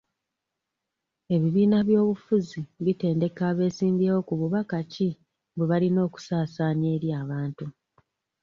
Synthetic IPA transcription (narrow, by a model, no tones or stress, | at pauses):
e̞βiβiːnaβjo̞ːβufuziβite̞ːnde̞kaːβe̞ːsiːmbewo̞kuβuβakaci | beβalino̞ːku̥saːsaːɲe̞ːɾjaːβaːntu